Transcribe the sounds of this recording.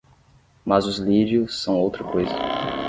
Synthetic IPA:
mɐzʊzliɾiʊsːɐ̃w̃owt̪ɾɐkojzɐ

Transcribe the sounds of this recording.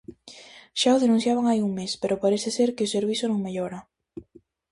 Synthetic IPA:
ʃaoðenũn̟θjaβ̞aŋajuŋmespeɾopaɾeθeseɾkeoseɾβ̞iθonõŋmeʎoɾa

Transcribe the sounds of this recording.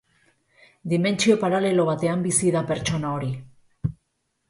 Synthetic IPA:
d̪ime̞nt͡ʃio̞paɾale̞lo̞β̞at̪e̞ambisiðape̞ɾt͡ʃo̞nao̞ɾi

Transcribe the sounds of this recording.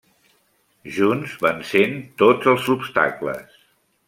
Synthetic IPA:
ʒunzβansent̪ozəlˠzupst̪a̰klə̰s

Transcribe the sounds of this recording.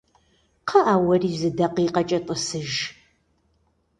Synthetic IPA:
qʰɐʔaːwɐriːzɨdɐqiːqɐt͡ʃʼɐt̪ʼəsɨʒ

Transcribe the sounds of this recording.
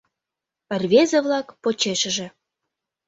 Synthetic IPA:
pə̆rʲβezə̆βlɑkpot͡ɕeʃə̆ʒĕ

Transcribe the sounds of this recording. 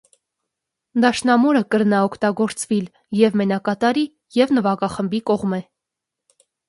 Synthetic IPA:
d̪ɑʃnɑmɔɾəkəɾnɑɔkʰt̪ɑɡɔɾt͡svil | jɛvmɛnɑkɑt̪ɑɾi | jɛvnəvɑkɑχəmbikɔʁmɛ

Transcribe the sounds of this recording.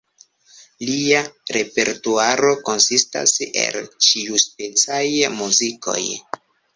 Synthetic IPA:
liaɾe̞pe̞̰ɾtuaɾo̞ko̞nsista̰se̞̰lt͡ʃiuspet͡sajmuziko̞̰j

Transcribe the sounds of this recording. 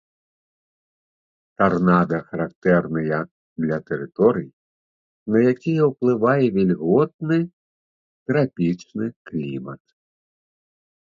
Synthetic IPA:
t̪arnad̪ɐxɐɾakt̪ɛrnɨjɐ | d̪lʲɐt̪ɛɾɨt̪ɔɾɨji | nɐjakʲijɛwplˠɨvajɛvʲilʲɣɔt̪̚nɨ | t̪ɾapʲit͡ʂnɨklʲḭmɐ̰t̪

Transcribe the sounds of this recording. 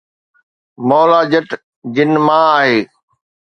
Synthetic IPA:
mɔːlaːd͡ʑəʈ | d͡ʑɪnmãːaːɦeː

